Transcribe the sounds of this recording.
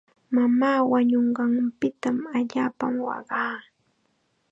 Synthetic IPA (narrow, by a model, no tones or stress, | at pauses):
mamaːwaɲoɴɢɑŋpɪt̪amaʎaːpamwɑ̰ɢɑː